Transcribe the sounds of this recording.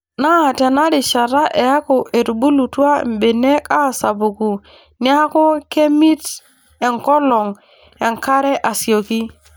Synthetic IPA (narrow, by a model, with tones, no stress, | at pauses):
na˦˨te˨na˦ɾi˨ʃa˨ɾa˦ʔe˨ja˦ko˨ʔe˨tu˨bu˦lu˨tu˦a̰˦˨m˨be˨ne˦ka˦˨sa˨bu˨ku˨ | ni˦a˦ko˦ke˦mi˦t | e˨ŋkɔ˦lɔ˨ŋ | e˨ŋka˦ɾɛ˦ʔa˨si˨o˨ki˦